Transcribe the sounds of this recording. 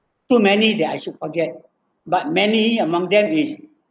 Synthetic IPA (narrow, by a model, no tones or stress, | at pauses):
tumɛnidɛtajʃud̚fɔɡɛt̚ | bat̚mɛniəmãŋdɛ̃mis